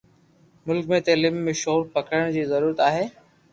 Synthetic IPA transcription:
mʊlkmẽt̪elɪmːẽʃoːɾpɐkʰəɽəɽ̃d͡ʑiːzɐɾuːɾət̪aːɦeː

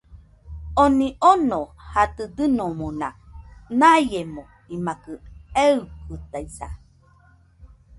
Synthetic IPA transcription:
onĩʔonohat̪ɨd̪ɨnomonanajjemõ | imakɯeukut̪aisa̰

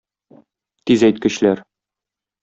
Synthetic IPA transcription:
t̪izæjt̪kɘ̆ɕlæɾ

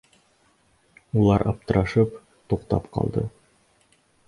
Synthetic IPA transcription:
ulˠɑɾʔɑp̚t̪ɤ̆ɾɑʃɤp | t̪uqt̪ɑpqɑ̰lˠd̪ɤ

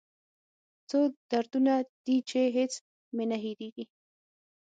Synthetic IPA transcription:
t͡sod̪̥aɾd̪unad̪̥it͡ʃeɦet͡s | menaɦid̪iɡi

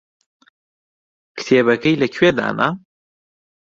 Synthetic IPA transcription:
kʰt̪ʰeːbɐkɐjlɐkʰweːd̪a̰ːna̰

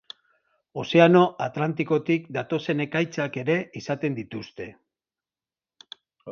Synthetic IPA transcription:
o̞se̞ano̞ʔat̪lant̪iko̞t̪ikd̪at̪o̞se̞ne̞kajt͡sake̞ɾe̞isat̪e̞nd̪it̪ust̪e̞

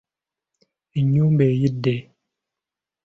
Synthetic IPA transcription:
iɲumbɛjidɛ

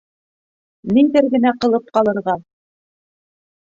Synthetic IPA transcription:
nid̪ɘɾɡɘ̆næqɤ̆lˠɤp̚qɑlˠɤ̆ɾʁɑ

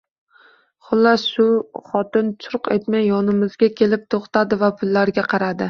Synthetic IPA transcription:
χʊlːasʃʊχɒt̪ɪnt͡ʃ̪ʰʊɾqet̪majːɒnɪmɪzɡʲakʲʰe̞lɪp̚t̪ʰoχt̪ʰad̪ɪvapʰʊlːaɾɡʲaqʰɑɾad̪ɪ

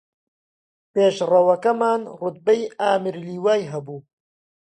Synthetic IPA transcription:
peːʃrɐwɐkɐmaːnrʊt̪̚bɐjaːmɪɾliːwaːjɦɐbuː

